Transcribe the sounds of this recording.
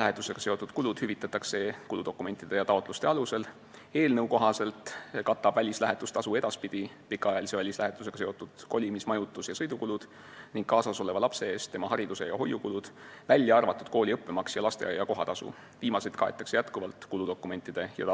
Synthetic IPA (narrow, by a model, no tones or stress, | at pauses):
læɦe̞t̪ːˑuse̞ɡ̥ɑ̥se̞o̞t̪ːˑud̪̥̚kulud̪̥hyvit̪ːˑɑt̪ːˑɑkse̞kulud̪o̞kːˑume̞nt̪ːˑid̪̥e̞jɑt̪ɑo̞t̪lust̪e̞ɑluse̞l | e̞ːlnɤwko̞ɦɑse̞lt̪kɑt̪ːˑɑb̥vælʲislæɦe̞t̪ːˑust̪ɑsue̞d̪̥ɑspid̪̥i | pikːˑɑɑjɑlise̞vælʲislæɦe̞t̪ːˑuse̞ɡ̥ɑ̥se̞o̞t̪ːˑud̪̥ko̞lʲimismɑjut̪ːˑusjɑsɤjd̪ukulud̪̥ | niŋɡ̥kɑːsɑso̞levɑlɑpse̞e̞ːst̪t̪ːe̞mɑhɑɾid̪̥use̞jɑɦo̞jːukulud̪̥vælʲːjɑɑrvɑt̪ːˑud̪̥̚ko̞ːlʲiɤpːe̞mɑksjɑlɑst̪e̞̰jɑko̞ɦɑt̪ɑsṵ | viːmɑse̞jt̪̚kɑet̪ːˑɑksejæt̪kuvɑlt̪kulud̪o̞kːˑume̞nʲt̪ːˑid̪̥e̞jɑ̰